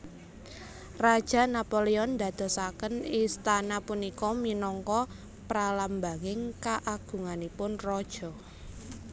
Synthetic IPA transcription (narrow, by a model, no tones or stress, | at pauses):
rad̥ʒ̥a̤napoleɔnd̪ä̤d̪̥ɔ̤sakənist̪anapunikɔminɔŋkɔ | pɾalambaŋɪŋkaʔaɡ̥ṳŋanipʊnrɔd̥ʒ̥ɔ̤